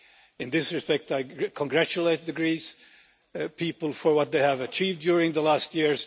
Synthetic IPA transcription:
ɨ̃nðɪsɹɨspɛk̚taɪkʰə̃ŋɡɹæt͡ʃɨleɪt̪̚ðɨɡɹis | pʰipəl̩ˠfə˞wʌt̪̚ðeɪɨvɨt͡ʃʰivdjʊɹɪ̃ŋðəlæst̚jɪɹz̥

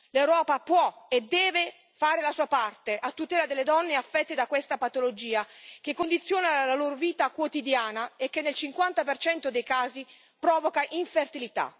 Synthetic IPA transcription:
lewɾɔːpapwɔed̪ɛːve | faːɾelasuːapart̪eʔat̪ːut̪ɛːlad̪elːed̪ɔnːeafːɛt̪ːed̪akwest̪apat̪olod͡ʒiːak̟ekːond̪it̪sːjoːnalaloːɾoviːt̪akwot̪id̪jaːnaekːenːelt͡ʃiŋkwant̪apert͡ʃɛnt̪od̪ejkaːzi | pɾɔːvokaʔiɱfert̪ilit̪a̰

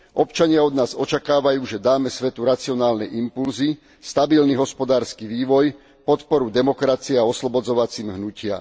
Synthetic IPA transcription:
ʔɔpt͡ʃaɲɪaɔd̪naːzɔt͡ʃakaːʋajuːʒɛd̪aːmɛsʋɛt̪uɾat͡siɔnaːlnɛjʔimpulzi | st̪abilniɦɔspɔd̪aːɾskiʋiːʋɔj | pɔt̪pɔɾud̪ɛmɔkɾat͡siɛaɔslɔbɔd͡zɔʋat͡siːmɦnucɪa̰

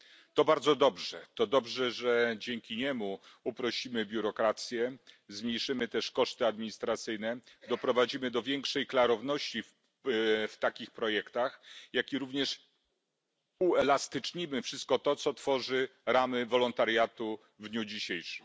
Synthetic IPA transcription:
t̪ɔbaɾd̪zɔd̪ɔbʐɛt̪ɔd̪ɔbʐɛʐɛd͡ʑɛŋkʲiɲɛmuupɾɔɕimɘbʲjuɾɔkɾat̪sʲjɛzmɲejʂɘmɘt̪ɛʂkɔʂt̪ɘad̪mʲiɲist̪ɾat̪sɘjnɛd̪ɔpɾɔvad͡ʑimɘd̪ɔvʲjɛŋkʂɛjklaɾɔvn̪ɔɕt͡ɕif | ft̪akʲixpɾɔjɛkt̪axjakʲiɾuvɲɛʂ | uɛlast̪ɘt͡ʂɲimɘfʂɘst̪̚kɔt̪ɔt̪sɔt̪fɔʐɘɾamɘvɔlɔnt̪aɾjat̪u | vd̪ɲud͡ʑiɕejʂɘm

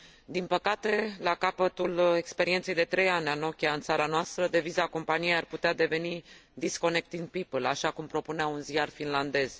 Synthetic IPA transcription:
d̪inpəkat̪e̞lakapət̪ule̞kspe̞ɾint̪sejd̪e̞t̪ɾejanʲano̞kʲaɨnsaɾanoast̪ɾəd̪e̞vizako̞mpanijejarput̪ead̪e̞ve̞nid̪isko̞ne̞k̚t̪iŋd̪̚pipəlaʃakumpɾo̞puneaunzijarfinland̪e̞z̥

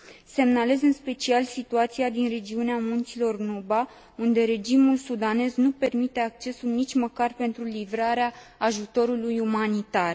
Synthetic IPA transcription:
se̞mnale̞zɨnspe̞t͡ʃialsit̪uat̪siad̪inre̞d͡ʒiuneamunt̪silo̞rnuba | und̪e̞ɾe̞d͡ʒimulsud̪ane̞znupe̞rmit̪e̞ak̚t͡ʃe̞sulnit͡ʃʲməkarpe̞nt̪ɾulivɾaɾeaːʒut̪o̞ɾulujumanit̪ar

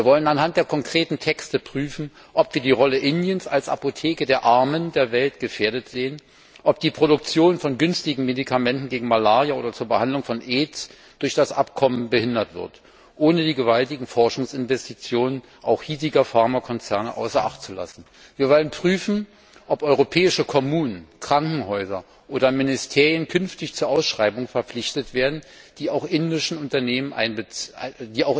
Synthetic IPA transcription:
viːɐvɔlənanhant̚d̥eːɐkʰɔŋkʁ̥eːtn̩tʰɛkstəpʁ̥yːfn̩ | ʔɔpv̥iːɐdiːʁɔləʔɪnjənsalsʔa̰potʰeːkədeːɐʔaɐməndeːɐvɛltɡ̥əfeːɐdətz̥eːən | ʔɔp̚d̥iːpʁ̥oɾʊk̚t͡sjoːnfɔnɡʏnstɪɡŋ̩medikʰamɛntn̩ɡeːɡŋ̩malaːʁjaʔoːdɐt͡suːɐbəhandlʊŋfɔnʔeːts | d̥ʊɐçd̥asʔa̰pkʰɔmənbəhɪndɐtv̥ɪ̰ɐt | ʔoːnədiːɡəvaltɪɡŋ̩fɔɐʃʊŋsɪnvɛstit͡sjoːnən | ʔaʊxhiːziɡɐfaɐmakʰɔnt͡sɛɐnəʔa̰ʊsɐʔa̰χtt͡sula̰sn̩ | viːɐvɔlənpʁ̥yːfn̩ | ʔɔpʔɔʏʁopʰɛːɪʃəkʰɔmuːnənkʁ̥aŋkŋ̩ɦɔʏzɐ | ʔoːdɐmɪnɪstʰeːʁjənkʰʏnftɪçt͡suːɐʔaʊsʃʁ̥aɪbʊŋfɛɐp͡flɪçtətv̥eːɐdn̩d̥iːaʊxʔɪndɪʃn̩ʊntɐneːmənʔa̰ɪnbədiːaʊx

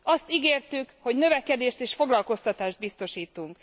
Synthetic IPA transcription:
ɒst̪iɡeːrt̪ykho̞ɟnø̞vɛkɛd̪eːʃt̪eːʃfo̞ɡlɒlko̞st̪ɒt̪aːʒd̪̚bist̪o̞ʃiːt̪uŋk

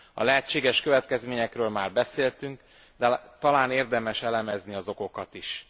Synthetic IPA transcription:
ɒ̰lɛɦɛt͡ʃːeːɡɛʃkø̞vɛt̪kɛzmeːɲɛkrøːlmaːrbɛseːlt̪yŋk | d̪ɛt̪ɒlaːneːrd̪ɛmɛʃɛlɛmɛzniɒzo̞ko̞kɒt̪iʃ

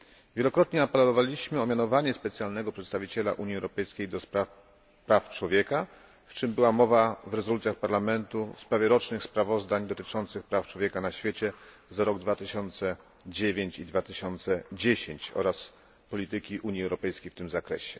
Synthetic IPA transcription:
vʲjɛlɔkɾɔt̪ɲɛapɛllɔvalʲiɕmɘɔmʲjanɔvaɲɛspɛt̪sjalnɛɡɔpʂɛt̪st̪avʲit͡ɕɛla̰ʔuɲiɛwɾɔpɛjskʲejd̪ɔspɾaf | pɾaft͡ʂwɔvʲjɛka | ft͡ʂɘmbɘwamɔvavɾɛzɔlut̪jaxpaɾlamɛnt̪ufspɾavʲjɛɾɔt͡ʂnɘxspɾavɔzd̪aɲd̪ɔt̪ɘt͡ʂɔnt̪sɘxpɾaft͡ʂwɔvʲjɛkanaɕfʲjet͡ɕɛ | zaɾɔɡd̪vat̪ɘɕɔnt̪sɛ | d͡ʑevʲjeɲt͡ɕid̪vat̪ɘɕɔnt̪sɛd͡ʑeɕeɲt͡ɕɔ̰ɾas | pɔlʲit̪ɘkʲiʔuɲiɛwɾɔpɛjskʲejft̪ɘmzakɾɛ̰ɕɛ

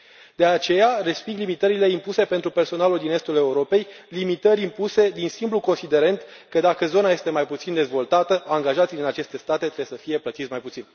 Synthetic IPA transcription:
d̪eat͡ʃe̞jarespiɡlimit̪əɾile̞impuse̞pe̞nt̪ɾupe̞rso̞naluld̪ine̞st̪ule̞uɾo̞pe̞jlimit̪əɾʲimpuse̞d̪insimbluko̞nsid̪e̞ɾent̪kəd̪akəzo̞naje̞st̪e̞majput̪sind̪e̞zvo̞lt̪at̪əaŋɡaʒat̪sijd̪inat͡ʃe̞st̪e̞st̪at̪e̞t̪ɾeesəfije̞plət̪it̪smajput̪sin

